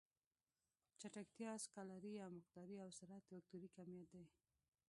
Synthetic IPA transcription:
t͡ʃaʈakt̪jɑskalaɾiawmʊqd̪ɑɾiawsaɾat̪ɾak̚t̪uɾikamjat̪̚d̪aj

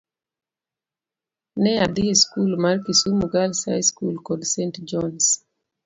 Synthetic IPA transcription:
nɛad̪ieskulmaɾkisumuɡalsa̰jskulkɔdsɛntd͡ʒɔns

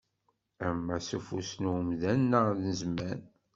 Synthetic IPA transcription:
æmːæsufṵsnumðænːəðnəzmæn

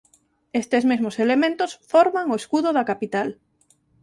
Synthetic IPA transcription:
est̪ezmezmoselemẽnt̪osfɔɾmaŋoeskuðʊðɐkapit̪al

